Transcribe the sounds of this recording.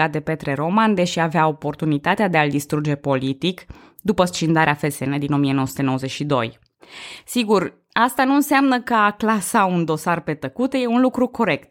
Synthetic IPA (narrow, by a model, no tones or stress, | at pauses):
at̪̚d̪e̞pe̞t̪ɾe̞ɾo̞mand̪e̞ʃiaveao̞po̞rt̪unit̪at̪ead̪e̞ald̪ist̪ɾud͡ʒe̞po̞lit̪ik | d̪upəst͡ʃind̪aɾeafe̞sened̪ino̞mie̞noəsut̪eo̞wəze̞t͡ʃʃid̪o̞̰j | siɡur | ast̪anuɨnseamnəkəaklasaund̪o̞sarpe̞t̪əkut̪je̞unlukɾuko̞ɾe̞kt̪̚